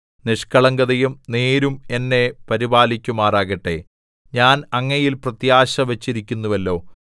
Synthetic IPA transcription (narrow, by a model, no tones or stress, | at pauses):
niʂkɐɭɐŋɡɐðɐjumne̞ːɾume̞nːe̞pɐɾibaːlikʲːumaːraːɣɐʈːe̞̰ | ɲaːnɐŋːɐjilprɐt̪jaːɕɐʋɐt͡ɕːiɾikʲːunːuʋɐlːo̞ː